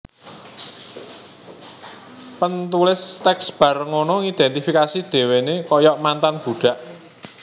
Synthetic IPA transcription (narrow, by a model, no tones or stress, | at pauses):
pənt̪ulɪst̪ɛksb̥ä̤rŋonɔŋid̪̥ɛnt̪ifikasid̪̥e̤wenekɔjɔʔmant̪anb̥ṳɖ̥a̤ʔ